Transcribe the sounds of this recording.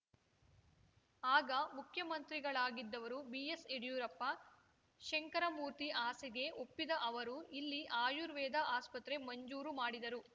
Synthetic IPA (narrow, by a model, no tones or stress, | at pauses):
aːɡɐmukʰjɐmɐnt̪ɾiɡɐɭaːɡid̪ːɐʋɐɾubieseɖjuːɾɐpːɐ | ʃeŋkɐɾɐmuːɾt̪iʔaːsiɡe̞o̞pːid̪ɐʔɐʋɐɾuʔilːiʔaːjuɾʋɛːd̪ʱɐʔaːspɐt̪ɾe̞mɐɲd͡ʒuːɾumaːɽid̪ɐɾu